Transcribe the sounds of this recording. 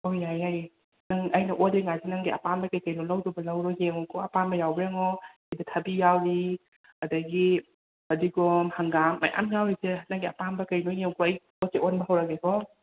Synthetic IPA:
ojajaj | nɐŋɐjnɐʔodeŋajsinɐŋɡiɐ̰pambɐkɐjkɐjnolɐwdɔbɐlɐwɾɔjeŋokʰoɐpambɐjawbɾeŋɔ | idɐtʰɐbijawɾi | ɐdɐɡi | ɐdiɡɔmhɐŋɡamːɐ̰jʔa̰mjawɾisenɐŋɡiɐ̰pambɐkɐjnojeŋkʰoɐj | oseonbɐɦɐwɾɐkekʰɔ

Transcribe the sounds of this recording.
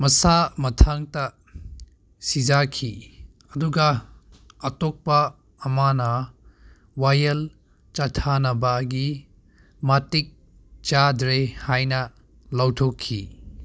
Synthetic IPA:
mɐsamɐtʰaŋtɐ | sid͡ʒakʰi | ɐduɡɐː | tok̚pɐː | manɐ | wajɐl | t͡ʃatʰanɐbɐɡi | matik̚ | t͡ʃadɾehajnɐ | lawtʰokʰːḭ

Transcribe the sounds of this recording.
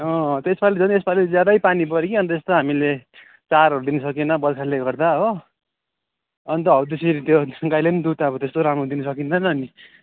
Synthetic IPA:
ʌ̃t̪esbalid͡zʌniesbalid͡zjad̪ʌjpanipʌɾekiʌnt̪ʌest̪oɦamile | t͡saɾɦʌɾud̪inʌsʌkinʌbʌdkʰaleɡʌrd̪aɦo | ʌnit̪ʌʌut̪eseɾit̪joɡajlenid̪ut̪akot̪est̪oɾamrod̪inʌsʌkint̪ʰʌnʌːni

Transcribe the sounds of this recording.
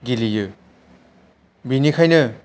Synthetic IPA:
ɡilijɯ | binikʰajnɯ

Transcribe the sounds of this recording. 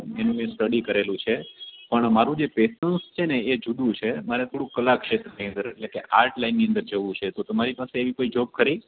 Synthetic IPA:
enũmjãsʈəɽikəɾelũt͡ʃʰepəɳmaɾũd͡ʒepesənst͡ʃʰeneːd͡ʒud̪ũt͡ʃʰemaɾɛt̪ʰoɽũkəlakʃet̪ɾəniə̃nd̪əɾeʈlekeʔaɾʈlainːiənd̪əɾd͡ʒəʋũt͡ʃʰet̪ot̪əmaɾipaseːʋikoid͡ʒob̚kʰəɾi

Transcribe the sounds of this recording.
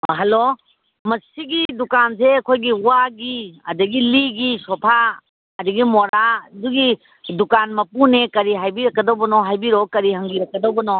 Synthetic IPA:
ɦalo | mɐsiɡidukanseɐkʰojɡiuwaɡiɐdɐɡiliɡisɔpʰa | ɐdiɡimɔɾaduɡi | dukanmɐpunekɐɾiɦajbiɾɐkːɐdɔwbɐnɔɦajbiɾɔkɐɾiɦɐŋɡiɾɐk̚ːɐdɔbɐnɔ

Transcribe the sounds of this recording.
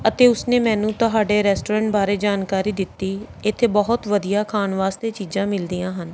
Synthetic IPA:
ət̪eːʊsneːmɛ̃ːnũːt̪ʊɦaːɖeːɾɛːsʈoːɾɛ̃ːɳʈbaːɾeːd͡ʒaːnkaːɾiːd̪ɪt̪ːiːɪt̪ʰːeːbəɦʊt̪ʋəd̪ijaːkʰaːnʋaːst̪eːt͡ʃiːzãːmɪld̪ijãːɦən

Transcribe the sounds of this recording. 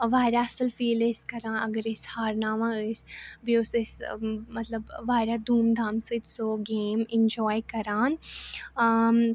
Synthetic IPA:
ʋaːɾjaɐsəlfiːleskɐɾãːɐ̰ɡəɾɪshaːɾnaːmãəsbiʊsɪsmɐt̪ləbʋaːɾad̪uːmd̪ʱaːmsɨd͡ʒsoːɡeːmɪ̃nd͡ʒɔːjkɐɾaːn

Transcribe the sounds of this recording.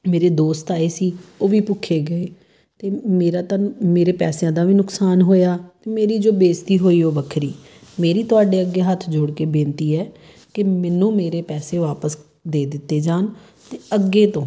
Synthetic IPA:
meːɾeːd̪oːst̪aːeːsiːoːʋiːpʊkʰːeːɡəeː | t̪eːmeːɾaːt̪ãːmeːɾeːpɛːsjãːd̪aːʋiːnʊksaːnɦoːjaːt̪eːmeːɾiːd͡ʒoːbeːst̪iːɦoːiːoːʋəkʰɾḭː | meːɾiːt̪ʊaːɖeːəɡːeːɦət̪ʰd͡ʒoːɽkeːbẽːnt̪iːɛː | kɪmɛːnũːmeːɾeːpɛːseːʋaːpəs | d̪eːd̪ɪt̪ːeːd͡ʒaːn | t̪eːəɡːeːt̪õː

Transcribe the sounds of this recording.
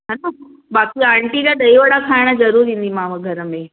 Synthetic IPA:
ɦãna | bakiãːɳʈid͡ʑaɖəiʋəɽakʰaɪɽ̃əd͡zɐɾuːɾĩnd̪imãʋəɡʱəɾəmẽ

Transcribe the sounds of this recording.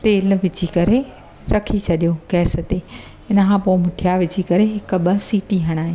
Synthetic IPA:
t̪eːlʋɪt͡ɕikɐɾe | ɾɐkʰit͡ɕʰɐɗijokɛːsət̪e | ɪnə̆kʰãːpoɪmʊʈʰijaʋɪt͡ɕikɐɾeɦɪkʊ̆ɓɐsiːʈiɦɐɽ̃aːɦẽ

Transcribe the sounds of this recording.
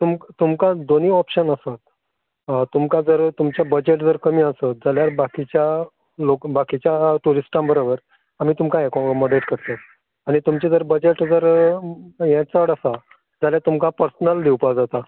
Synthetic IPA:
t̪umkt̪umkad̪oniːɔpɕənəsat̪̚ | t̪umkad͡zəɾt̪umt͡ɕjabəd͡ʑeʈd͡zəɾkəmiːəsət̪̚d͡zaljaɾbakit͡ɕja | lokbakit͡ɕjaʈuɾisʈãbəɾobəɾ | am̤iːt̪umkaekɔməɖeʈkəɾt̪at̪̚ | aɽ̃it̪umt͡ɕad͡zəɾbəd͡ʑeʈd͡zəɾ | jɛ̃t͡səɽasa | d͡zaljat̪umkapəɾsnəld̪iwpad͡zat̪a

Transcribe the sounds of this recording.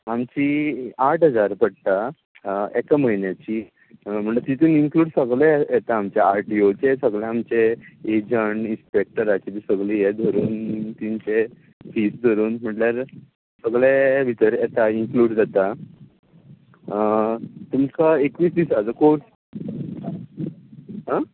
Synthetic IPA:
amt͡ɕiaʈʰɦəd͡zaɾpəɽt̪a | ɛkam̤əɦinjat͡ɕi | m̤əɳʈləɾt̪it̪uːniŋkluːɽsəɡɭejɛt̪aːmt͡ɕjaaɾʈiot͡sesəɡɭẽamt͡ɕeed͡ʑəɳinspek̚ʈəɾat͡ɕit̪isəɡɭijed̪ʱoɾuːnt̪iɲt͡ɕe | fiːsd̪ʱoɾuːnm̤əʈləɾ | səɡɭeʋʱit̪əɾjɛt̪aiŋkluːɽd͡zat̪a | t̪umsaekʋiːsd̪isad͡zəkoɾs | ɦa

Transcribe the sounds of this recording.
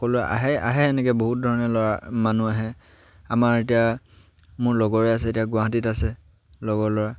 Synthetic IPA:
kɔlʊa̰ɦɛa̰ɦɛɛnɛkɛboɦut̚dʱɔɹɔnɛlɔɹamanuaɦɛ | amaɹetija | mʊɹlɔɡɔɹɛas̬ɛetiaɡʊwaɦatitasɛ | lɔɡɔlɔɹa

